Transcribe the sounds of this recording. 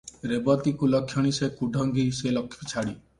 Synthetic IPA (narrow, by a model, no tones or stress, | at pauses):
ɾebɔt̪ikulɔkʰjɔɽ̃isekuɖʱɔŋɡiselɔkʰjɔt͡ʃʰaɽi